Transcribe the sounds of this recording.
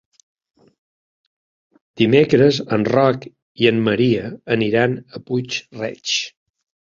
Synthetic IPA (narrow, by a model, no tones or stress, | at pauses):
d̪̥imekɾəzənrɔk | iəmːəɾiəːniɾanəput͡ʃrɛ̰t͡ʃ